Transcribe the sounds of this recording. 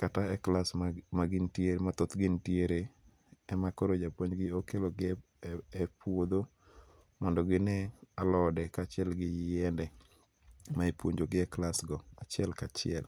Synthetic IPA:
kataɛklasmaɡɪntjeɾemat̪ot̪ɡɪntjeɾe | ɛmakoɾod͡ʒapwoɲɡɪokeloɡ | ɛpwod̪o | mɔndɔɡɪnɛalɔdɛkat͡ʃɪɛlɡɪjɪjɛndɛ | maepwoɲd͡ʒoɡɪɛklasɡɔat͡ʃɪɛlkat͡ʃɪɛl

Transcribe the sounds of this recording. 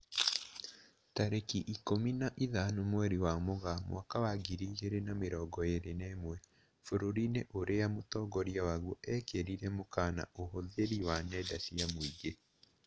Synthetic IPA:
taɾekiʔikominaʔiðanomwɛɾiwamoɣamw̰akawaɡiɾiɣeɾenameɾɔːɡɔjeɾeneːmwɛ | foɾoɾineʔoɾejamotɔɡɔɾjawaɣwɔʔɛkeɾiɾɛmokaːna̰ʔohoðeɾiwanɛdasiamwiɡe

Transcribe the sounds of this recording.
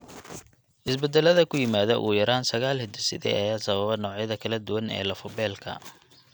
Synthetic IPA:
ʔɪsbɛd̪ɛlɐðɐkʰʊjɪmaːðɐʔuːjɐɾaːnsɐɣaːlhɪd̪ɪsɪ̰ðɛ̰ʔɐjaːsɐβɐβɐnɔːʕjɐðɐkʰɐlɐd̪ʊwɐnɛ̰ːlɐfʊbɛːlkʰɐ̰

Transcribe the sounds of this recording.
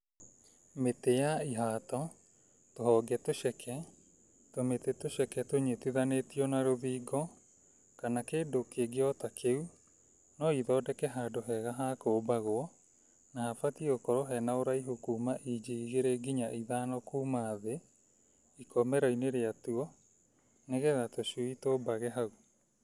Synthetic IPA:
metejaiɦaːtɔ | toɦɔɡɛtoʃɛkʰɛ | tometetoʃɛkɛtoɲetiðanetiɔnaɾoðiːɡɔ | kanakeːdokeɡeɔtakʰeu | nɔiðɔːdɛkɛɦadoɦɛɣaɦakoːbaɣoɔ | nahafatiokɔɾoɦɛnaoɾaiɦukuːmaʔid͡ʑiiɣeɾeɡiɲaʔiðanɔkuːmaðe | ikɔmɛɾaineɾeatuɔ | neɣɛðatoɕuitobaɣɛɦau

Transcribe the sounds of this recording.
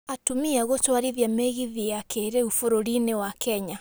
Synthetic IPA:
atumiaɣotwaɾiðjameɣiðijakʰeɾeufoɾoɾinewakʰɛɲa

